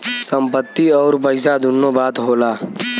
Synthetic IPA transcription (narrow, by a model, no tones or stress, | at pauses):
sə̃mpət̪ːiɔːɾpəɪsad̪ʱʊnːobaːt̪ɦoːlaː